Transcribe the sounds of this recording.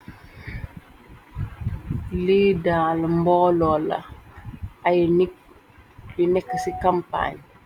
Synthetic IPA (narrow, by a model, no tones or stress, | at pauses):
liːdaːlmbɔlɔlɐ̰ | ajn | linɛkːəsikampa̰ɲ